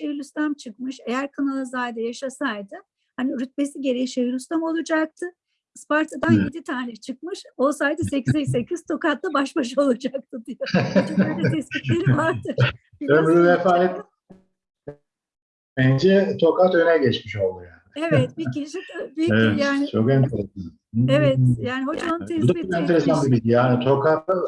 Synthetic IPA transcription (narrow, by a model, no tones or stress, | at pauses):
ʃejilʲyst̪ʰamt͡ʃʰɯkmɯʃe̞jæɾkʰanalˠazajd̪ajaʃasajd̪ɯ | haniɾyt̪̚be̞siɟe̞ɾejiʃejilʲyst̪amo̞lˠud͡ʒak̚t̪ʰɯ | spaɾt̪ʰad̪anjed̪it̪ʰaːɾɛt͡ʃʰɯkmɯʃosajd̪ɯsecʰizɛse̞cʰiz̥t̪ʰo̞kat̪lˠabaʃbaʃ̬ao̞lˠud͡ʒak̚t̪ʰɯd̪ijod̪t̪ʰɛscit̪lʲeɾivaɾd̪ɯɾ | ømɾyvefaːjɛt̪ | bɛnd͡ʒɛt̪ʰo̞kat̪ønɛɟɛt͡ʃmiʃo̞lˠd̪ujaːnɪevɛt̪biciʃibiɛvɛtjaːnɪt͡ʃʰokɛnt̪ʰeɾɛsaevɛt̪jaːnihɦod͡ʒatʰɛsd̪ioɛnʰeɾɛsanbibid̪ijanit̪ʰo̞kat̪a